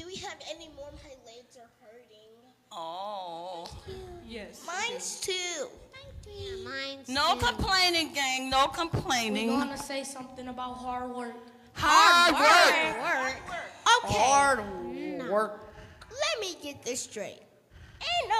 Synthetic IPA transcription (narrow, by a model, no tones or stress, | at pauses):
d̥ɨwiɨvɛnimɔɹmɛ̃ledzə˞hɜ˞ɾɪ̃ŋ | o | jɛsmãɪ̃nz̥tʰʉ | mɪ̃nnoʊkʰə̃mpʰl̥ẽɪ̃nɪ̃ŋɡæ̃ŋnoʊkʰə̃mpʰl̥ẽɪ̃nɪ̃ŋŋwɑnɨseɪsʌ̃mθɪ̃ŋəbaʊt̚ɦɑɹd̚wɜ˞k | hɑwɜ˞kwɜ˞koʊkʰɑɹdwɜ˞k̚lɛt̚miɡɛt̪̚ðɪstɹ̥eɪt̚ | ɨ̃n